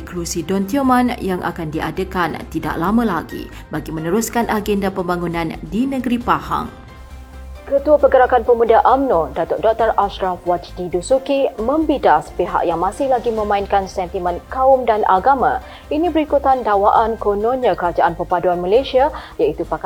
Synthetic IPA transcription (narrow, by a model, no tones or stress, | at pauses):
klusidɔnt̪iomãnjaŋʔa̰kandiʔadəkant̪ida̰ʔlamə̃laɡḭ | baɡimə̃nəɾuskanʔaɡɛndapəmbaŋunãndinə̃ɡəɾipaha̰ŋ | kət̪uapəɡəɾakanpəmudaʔamnodat̪ɔʔdɔk̚t̪əɾaʃɾafwat͡ʃdidusukimə̃mbidaspeɦa̰ʔjaŋmãsɪhlaɡimə̃mãinkansɛnt̪imə̃nkaʊmdanʔa̰ɡamã | inibəɾikut̪andawaʔankononãkəɾad͡ʒaʔanpəpaduanmalasiajait̪upa